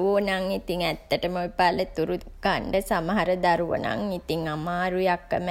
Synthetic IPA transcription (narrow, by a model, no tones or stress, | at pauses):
ʋoːnaŋit̪iŋɛt̪ːəʈəmoʋipalət̪uɾu | kaɳɖəsamaɦaɾəd̪aɾuʋə̰na̰ŋit̪iŋamaːɾujakːəm